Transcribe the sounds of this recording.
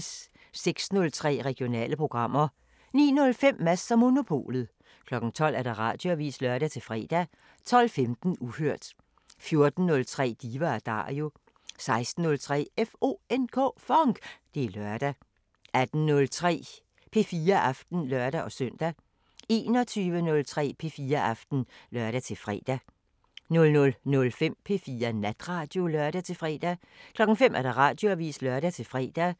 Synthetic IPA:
s | seɡ̥snɔ̽lt͡sʰʁɛ̰ːʁɛɡ̥ijo̝nɛ̰ːləpʰʁo̝ɡ̥ʁɑ̈m̰ɐ | nḭːnɔ̽lfem̰ːæsɐmo̝no̝pʰo̝̰ːlð̩ˠ | kʰlɒ̽ɡ̥n̩t͡sʰɒ̽l̰æɐɾ̥ɑ̈ʁɑ̰̈ːd̥jo̝æʋḭːslɶɐɾ̥æt͡sʰe̝lfʁɛ̰ːd̥æ | t͡sʰɒ̽l̰femd̥n̩uhøɐ̰d̥ | fjo̝ɐd̥n̩nɔ̽lt͡sʰʁɛ̰ːd̥iːʋɐæɐd̥ɑ̰̈ːjo̝ | sɑ̈ɪsd̥n̩ːɔ̽lt͡sʰʁɛ̰ːefo̝̰ːenkʰɔ̰ːfɒ̽ŋɡ̥d̥e̝ælɶɐd̥æ | ʔæd̥n̩nɔ̽lt͡sʰʁɛ̰ː | pʰe̝fiːɐʔɑ̈fd̥n̩lɶɐɾ̥æʔɒ̽sœn̰d̥æ | e̝ːnɒ̽t͡sʰyːʋənɔ̽lt͡sʰʁɛ̰ːpʰe̝fiːɐʔɑfd̥n̩lɶɐɾ̥æt͡sʰe̝fʁɛ̰ːd̥æ | nɔ̽lnɔ̽lnɔ̽lfem̰pʰe̝fiːɐnæd̥ʁɑ̈ːd̥jo̝lɶɐɾ̥æt͡sʰe̝lfʁɛ̰ːd̥æ | kʰlɒ̽ɡ̥n̩femʔæɐɾ̥ɑ̈ʁɑ̈ːd̥jo̝æʋḭːslœɐɾ̥æt͡sʰe̝lfʁɛ̰ːd̥æ

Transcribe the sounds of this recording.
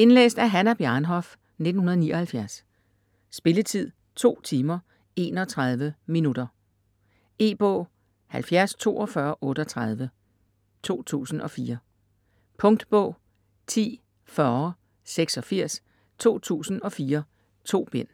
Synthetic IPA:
e̝nlḛːsd̥æɐɦænæb̥jænɦɒ̽f | ne̝d̥n̩hunɐðˠnḭːʔɒ̽hælfjæɐs | sb̥e̝lət͡sʰið̰ˠ | t͡sʰo̝̰ːt͡sʰiːmɐ | e̝ːnɒ̽t͡sʰʁaðˠʋəminud̥ɐ | e̝̰ːb̥ɔ̰̽ː | hælfjæɐst͡sʰo̝̰ːɒ̽fɶɐʔɔ̽ːɾ̥əɒt͡sʰʁað̞ˠʋə | t͡sʰo̝̰ːt͡sʰṵːsn̩ʔɒ̽fiːɐ | pʰɔ̽ŋd̥b̥ɔ̰̽ː | t͡sʰḭː | fɶː | seɡ̥sɒ̽fiɐ̰s | t͡sʰo̝̰ːt͡sʰṵːsn̩ɒ̽fiːɐ | t͡sʰo̝̰ːb̥en̰

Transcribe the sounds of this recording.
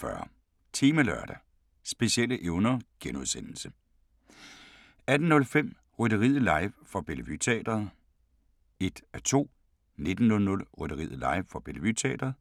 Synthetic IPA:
fɶɐ | t͡sʰeːməlɶɐ̰d̥æ | sb̥e̝siel̰əʔeʊnɐɡ̥enuðˠsen̰l̩sə | æd̥n̩nːɔ̽lfem̰ | ʁɔd̥əʁið̩ˠlɑ̈ɪʋfɒ̽b̥eləʋy̰t͡sʰɛ̰ːd̥ɐð̩ˠ | e̝d̥æt͡sʰo̝̰ː | ne̝d̥n̩nɔ̽lnɔ̽lʁɔd̥ɐʁḭð̰̩ˠlɑ̈ɪ̰ʋfɒ̽b̥e̝lʋy̰t͡sʰɛ̰ːd̥ɐð̩ˠ

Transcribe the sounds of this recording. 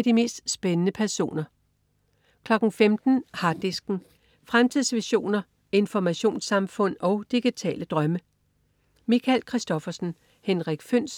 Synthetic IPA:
d̥ime̝̰ːsd̥sb̥enənəpʰæɐso̝̰ːnɐ | kʰlɒ̽ɡ̥n̩femd̥n̩hɑ̈d̥isɡ̥n̩ | fʁamt͡sʰiðˠsʋiɕo̝̰ːnɐ | e̝nfɒmæɕo̝̰ːnsɑ̈mfɔ̽n̰ɒ̽ʊd̥iɡ̥it͡sʰɛ̰ːləd̥ʁɶmə | mikʰælkʰʁisd̥ɒ̽fɐsn̩ | henʁaɡ̥føn̰s

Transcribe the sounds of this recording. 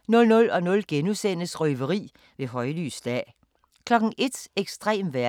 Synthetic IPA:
nɔ̽lnɔ̽lɒ̽nɔ̽lɡ̥enusen̰əsʁœːʋəʁḭː | ʋe̝ɦɒ̽ɪly̰ːsd̥ɛ̰ː | kʰlɒ̽ɡ̥n̩ʔe̝d̥eɡ̥sd̥ʁɛ̰ːmʋæɐ

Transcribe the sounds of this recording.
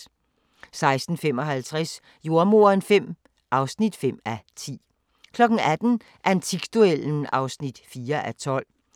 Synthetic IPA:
sɑ̈ɪsd̥n̩fem̰ɒ̽ɦælt͡sʰʁas | jo̝ɐmo̝ɐnfem̰ | ʔɑ̈ʊsnid̥fem̰æt͡sʰḭː | kʰlɒ̽ɡ̥ŋ̩æd̥n̩ | ʔænt͡sʰiɡ̥d̥ueln̩ɑ̈ʊsnid̥fiːɐʔæt͡sʰɒ̽l̰

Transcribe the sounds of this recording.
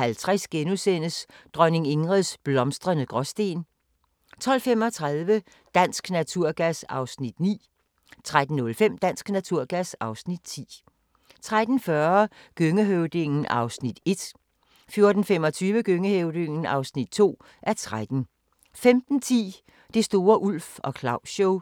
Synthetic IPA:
hælt͡sʰʁasɡ̥enusen̰əsd̥ʁɶne̝ŋe̝ŋʁɛðˠsb̥lɒ̽msd̥ʁɐnəɡ̥ʁɒsd̥e̝̰ːn | t͡sʰɒ̽l̰fem̰ɒ̽t͡sʰʁaðˠʋə | d̥æn̰sɡ̥næt͡sʰuɐ̰ɡ̥æsɑ̈ʊsnid̥nḭː | t͡sʰʁad̥n̩nɔ̽lfem̰d̥æn̰sɡ̥næt͡sʰuɐ̰ɡ̥æsɑ̈ʊsnid̥t͡sʰḭː | t͡sʰʁad̥n̩fɶɐɡ̥øŋəɦøʊd̥e̝ŋn̩ʔɑ̈ʊsnid̥e̝d̥ | fjo̝ɐd̥n̩femɒ̽t͡sʰyːʋəɡ̥øŋəheʊd̥e̝ŋn̩ɑ̈ʊsnid̥̚t͡sʰo̝̰ː | ʔæɐt͡sʰʁad̥n̩ | femd̥n̩t͡sʰḭː | d̥e̝sd̥o̝ːɐʔul̰fɒ̽kʰlɑ̈ʊɕoʊ

